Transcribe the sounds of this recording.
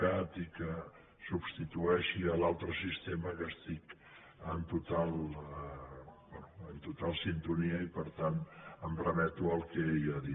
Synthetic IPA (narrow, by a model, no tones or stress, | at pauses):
at̪ikə | subst̪it̪uɛʃiəlalˠt̪ɾəsist̪eməkəst̪ik | ənt̪ut̪alˠ | bɛnuənt̪ut̪alˠsint̪uniəipəɾt̪anəmprəmɛt̪uəlˠkɛiaði